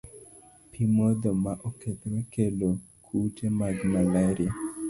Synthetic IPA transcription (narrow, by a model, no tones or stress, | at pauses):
pʰimɔd̪ɔmaʔoket̪ɾekelo | kʰutemaɡmalaɾɪa